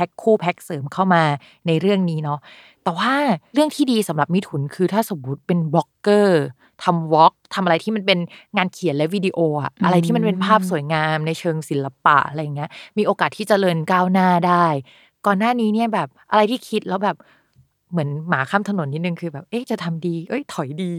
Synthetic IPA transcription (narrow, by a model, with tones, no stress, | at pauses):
pʰɛ˦˥kʰːuː˥˩pʰɛ˦˥k̚sɤː˩˦mkʰa˥˩wmaː˧ | na˧jɾɯ˥˩əŋniː˦˥nɔ˦˥ | t̪ɛː˨˩waː˥˩ɾɯ˥˩əŋt̪ʰiː˥˩diː˧sa˩˦mɾa˨˩p̚mi˦˥t̪ʰu˩˦nkʰɯː˧t̪ʰaː˥˩so˨˩˦mwu˦˥t̪̚pe˧nbɔ˦˥kːɤː˥˩ | t̪ʰa˧mwɔ˦˥k̚t̪ʰa˧mʔa˧ɾa˧jt̪ʰiː˥˩ma˧npe˧nŋaː˧nkʰi˨˩˦nlɛ˦˥wi˧di˧ʔoː˧ʔa̰˨˩ʔʔa˧ɾa˧jt̪iː˥˩ma˧np̬e˧npʰaː˥˩p̚su˨˩˦jŋaː˧mna˧jt͡ɕʰɤː˧ŋsi˩˦la˧pa̰˨˩ʔa̰˧ɾa˧jːa˨˩ŋːi˦˥ɐmiː˧ʔoː˧kaː˨˩t̪ʰiː˥˩t͡ɕa˨˩ɾɤː˧nkaː˥˩wnaː˥˩daː˥˩j | kɔː˨˩nːaː˥˩niː˦˥ni˥˩ɐbɛː˨˩p̚ʔa˧ɾa˧jt̪ʰiː˥˩kʰi˦˥t̪̚lɛː˦˥wbɛː˨˩p̚ | mɯ˩˦ənmaː˩˦kʰaː˧˥˩mt̪ʰno˩˦nːi˦˥t̪nɯ˨˧ŋkʰɯː˧bɛː˨˩p̚ʔe˦˥˩t͡ɕa˨˩t̪ʰa˧mdiː˧ʔɤ˦˥˩jt̪ʰɔ˨˩˦jdiː˧